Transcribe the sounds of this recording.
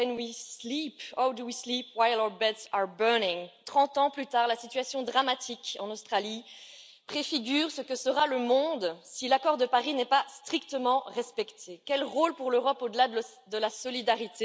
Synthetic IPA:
kɛnwislipawd̪uwislipwajlɔbɛt̪saɹbɜnɪŋt̪χɑ̃t̪ɑ̃plyt̪aːʁlasit̪ɥasjɔ̃d̪ʁamat̪ʰikɑ̃nost̪χali | pχefiɡʲyːʁsəkəsəʁaləmɔ̃d̪silakɔʁd̪əpaʁinɛpast̪χikt̪əmɑ̃ʁɛspɛkt̪ʰekʲɛlʁolpuʁløʁɔpod̪əla | d̪əlasɔlid̪aʁit̪e

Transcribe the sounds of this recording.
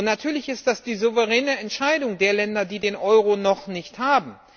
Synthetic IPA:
ntnatʰyːɐlɪçɪst̚d̥asd̥iːzovəʁ̞ɛːnəɛntʃaɪdʊŋdeːɐlɛndɐdiːdeːnʔɔʏʁ̞onɔχnɪçthaːbm̩

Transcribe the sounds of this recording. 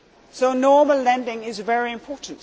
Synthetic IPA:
soʊnɔːməllɛ̃ndɪ̃ŋɪzvɛɹiɪ̃mpʰɔɹʔn̩t

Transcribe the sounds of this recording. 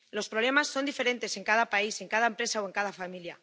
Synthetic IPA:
lo̞spɾoβle̞masːo̞nd̪ife̞ɾe̞nt̪e̞se̞ŋkaðapaise̞ŋkaðaempɾe̞saoe̞ŋkaðafamilja

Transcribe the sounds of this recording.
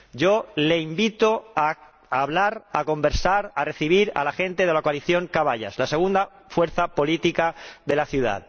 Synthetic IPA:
ɟ͡ʝo̞leimbit̪oa | aβlaɾako̞mbe̞ɾsaɾare̞θiβ̞iɾa̰laxe̞nt̪eðelakoaliθjo̞ŋkaβaʎa̰slase̞ɣ̞und̪a | fwe̞ɾθapo̞lit̪ikaðe̞laθjuða̰ð

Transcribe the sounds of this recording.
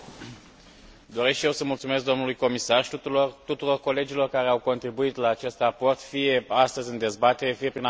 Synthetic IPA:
d̪o̞ɾe̞skʃije̞wsəmult̪sume̞sk̚ɡd̪o̞mnulujko̞misart̪ut̪uɾo̞rko̞le̞d͡ʒilo̞rkaɾe̞awko̞nt̪ɾibuit̪laːt͡ʃe̞st̪rapo̞rt̪fije̞ast̪əzʲɨnd̪e̞zbat̪e̞ɾe̞fije̞pɾin

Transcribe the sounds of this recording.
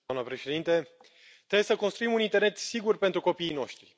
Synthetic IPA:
amnəpɾe̞ʃe̞d̪int̪e̞ | t̪ɾebjsəkonst̪ɾuimunint̪e̞rne̞t̪siɡurpent̪ɾuko̞piːno̞ʃt̪ɾi

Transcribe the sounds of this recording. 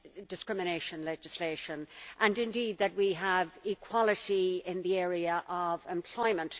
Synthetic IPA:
dɨskɹɪ̃mɨñeɪʃə̃nlɛd͡ʒɨsleɪʃə̃nʔə̃nɨ̃ndid̪̚ðɨt̚wiəvɪkʰw̥ɑlˠɨɾiɪ̃nðiɛɹiəʔəvɛ̃mpʰl̥ɔɪmə̃nt

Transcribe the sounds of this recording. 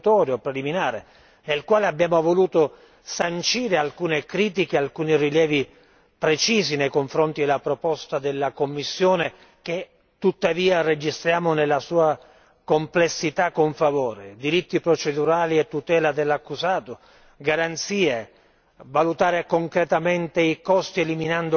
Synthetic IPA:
t̪ɔːɾjopɾeliminaːɾe | nelkwaːleabjaːmovoluːt̪ʊ | sant͡ʃiːɾealkuːnekɾiːt̪̬ikealkuːniriljɛːvi | pɾet͡ʃiːzinejkoɱfɾɔnt̪id̪elapɾopɔst̪ad̪elːakomːisːjoːne | k̟e | t̪ːut̪ːaviːared͡ʒist̪ɾjaːmʊnelːasuːa | komplesːit̪akːoɱfavoːɾed̪iɾit̪ːipɾot͡ʃed̪uɾaːliet̪ːut̪ɛːlad̪elːakːuzaːt̪ʊ | ɡaɾant̪siːe | valut̪aːɾekoŋkɾet̪ament̪eikɔst̪ieliminand̪o

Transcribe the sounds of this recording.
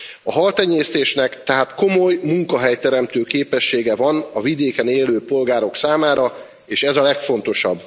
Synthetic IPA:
ɒɦɒlt̪ɛɲːeːst̪eːʃnɛkt̪ɛɦaːt̪ko̞mo̞jmuŋkɒɦɛjt̪ɛɾɛmt̪øːkeːpɛʃːeːɡɛvɒnɒvid̪eːkɛneːløːpo̞lɡaːɾo̞ksaːmaːɾɒ | eːʃɛzɒlɛkfo̞nt̪o̞ʃɒb

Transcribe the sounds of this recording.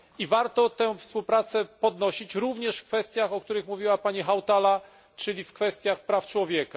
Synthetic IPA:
ivaɾt̪ɔt̪ɛ̃fspuwpɾat̪sɛpɔd̪nɔɕit͡ɕɾuvɲɛʂfkfɛst̪ʲjaxɔk̚t̪uɾɘxmuvʲiwapaɲixawt̪ala | t͡ʂɘlʲifkfɛst̪ʲjaxpɾaft͡ʂwɔvʲjɛka

